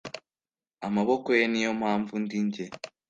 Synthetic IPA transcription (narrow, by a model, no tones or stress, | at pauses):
amaβokojenijo̞m̥haːɱvundiɲɟe